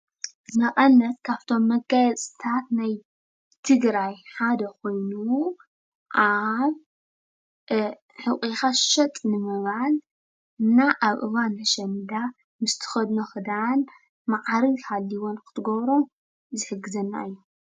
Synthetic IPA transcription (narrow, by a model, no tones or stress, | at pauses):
nɐkʼɐnːɐt̪kʰaβt̪ʰo̞mːɐɡajɛt͡sʼɨ̥t̪ʰat̪naj | t̪ʰɨɡɾajħad̪ɐko̞jnu | ʔaβ | ħɨkʼixaʃɐt̪ʼnɨmɐβal | ɨnːaʔaβʔɨ̰βanɐʃɐnd̪a | mɨst̪ʰɨ̥xɐd̪noxɨd̪an | maʕɾikʰalːiwo̞nkʰɨ̥t̪ʰɨɡɐβɾo | zɨħɨɡɨzɐnːa̰ɨjːu